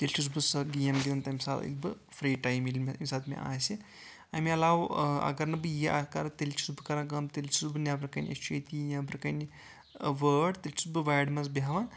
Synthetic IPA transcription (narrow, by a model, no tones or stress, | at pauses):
t̪elʲt͡ʃʰizbɨsɐɡijɐmɡʲid̪ɐnt̪ɐmʲsaːt̪ḭk̚bɨfʰɾiːʈajmilmmʲsaːd̪mḛʔa̰ːsi | ɐmiɐlaːʋɐ̰ɡɐɾnɐbɨjiʔaːkɐɾt̪elʲt͡ʃʰizbɨkɐɾãɡɐmt̪elʲt͡ʃʰizbɨnʲjaːbɨɾkɐnʲḛst͡ʃuet̪ijaːbɨɾkɐni | ʋəːɖt̪elʲt͡ʃʰisbɨʋaːɖmɐzbiɦaʋɐn